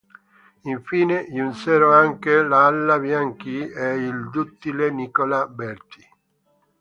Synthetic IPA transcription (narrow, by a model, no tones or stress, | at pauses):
iɱfiːneunsɛːɾoaŋkelaalːabjaŋkieild̪ut̪ːilenikolabɛɾt̪i̥